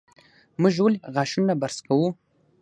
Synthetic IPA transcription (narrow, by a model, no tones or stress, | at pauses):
muʒolɣɑʃunabaɾskawu